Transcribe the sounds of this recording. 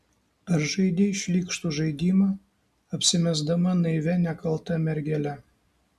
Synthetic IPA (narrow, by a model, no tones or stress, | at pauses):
ɐɾʒɐɪd̪ʲeɪʃʲlʲiːkʃt̪uʒɐɪd̪ʲiːmɐ | ɐpʲsʲɪmʲɛzd̪ɐmɐnɐɪʋʲɛnʲɛkɐlˠt̪ɐmʲɛɾʲɡʲɛlʲɛ